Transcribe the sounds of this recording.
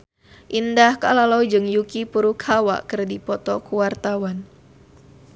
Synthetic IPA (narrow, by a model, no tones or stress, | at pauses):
ʔindahka̰lalɔwd͡ʒɨŋjukipuɾukʰawa̰ʔkərdipɔt̪ɔkuwart̪awan